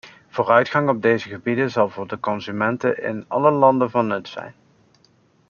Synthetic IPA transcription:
v̥oːrœɥtχɑŋɔb̚dejzəχəbidənzɑlˠvʊːɹdəkɔnzymɛntəʔɪ̰nɑ̰ləlɑndəvɑnːɵtsɛ̰jn

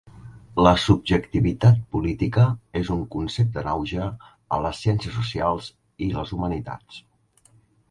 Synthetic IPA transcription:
ləsub̚ʒəkt̪iβit̪at̪̚pulit̪ikəezuŋkunsep̚t̪ənawʒə | ə̰ləsːjɛnsiəsusialˠz | iləzumənit̪a̰t͡s

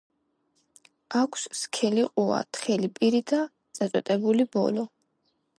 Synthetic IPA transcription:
akʰsskʰɛliqʼua̰t̪ʰχɛlipʼiɾid̪at̪sʼat̪sʼɛ̰t̪ʼɛbulibɔ̰lɔ

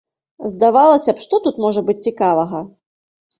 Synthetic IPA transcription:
zd̪avalˠɐsʲɐpʂt̪ɔt̪ut̪mɔʐɐbɨt͡sʲt͡sʲikavɐɣɐ

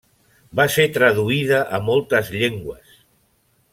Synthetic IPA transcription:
baset̪ɾəðuiðəʔəmɔlˠt̪əzʎeŋɡwəs

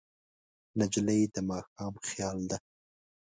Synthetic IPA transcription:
nad͡ʒləjd̪əmɑxɑːmxjɑːld̪a

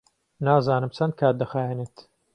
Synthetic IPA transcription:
naːzaːnɨmt͡ʃʰɐnd̪̚kʰaːt̪̚d̪ɐxaːjenet̪

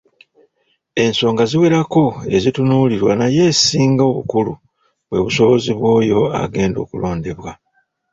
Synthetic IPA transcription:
e̞nso̞ːŋɡaziwe̞ɾako̞e̞̰zitunuːliɾwanaje̞ːsiːŋɡao̞βukulṵ | βwe̞βuso̞βo̞ziβwo̞ːjo̞a̰ɡe̞ːndo̞̰ːkulo̞ːnde̞βwa

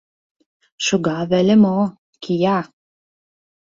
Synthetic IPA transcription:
ʃuɡɑβælʲɘ̆mo | kʰijɑ

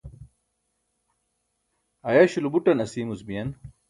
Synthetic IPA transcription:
ɐjaɕulubuʈɐnɐsiːmuzbijɐn

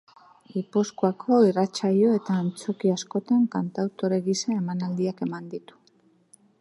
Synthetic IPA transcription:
ipuskuakʰo̞irat͡ʃaʎo̞e̞t̪aːnt͡so̞kiasko̞t̪aŋkant̪awt̪o̞ɾe̞ɣisaemanald̪iake̞mand̪it̪u̥

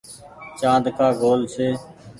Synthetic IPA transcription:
t͡ʃãːnd̪kʰaːɡoːlseː

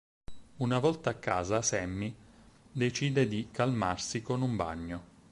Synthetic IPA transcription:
unavɔlt̪aːkːaːzasɛmːid̪et͡ʃiːd̪ed̪ikalmarsikonumba̰ɲːo

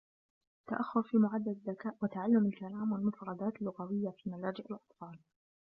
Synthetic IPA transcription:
t̪ːa̰ʔaxːʊɾfiːmʊʕad̪ːad̪ðːakaːʔwat̪aʕalːʊmalkalaːmwalmʊfɑɾˤɑd̪aːt̪ɪlːʊɣawɪjːafiːmalaːd͡ʒɪʔalʔɑt̪ˤfɑːl

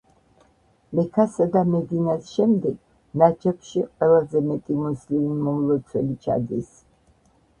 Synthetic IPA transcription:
mɛkʰasad̪amɛd̪inasʃɛmd̪ɛɡ̥ | nat͡ʃʰɛpʃiqʼwɛlazɛmɛt̪ʼimuslimimɔmlˠɔt̪sʰwɛlit͡ʃʰa̰d̪is

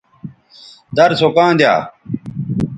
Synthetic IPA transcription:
d̪ɐɾsokãːnd̪ja̰ː

